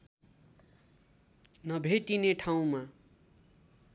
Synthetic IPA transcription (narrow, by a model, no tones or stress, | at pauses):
nʌbʱet̪ineʈʰaw̃ma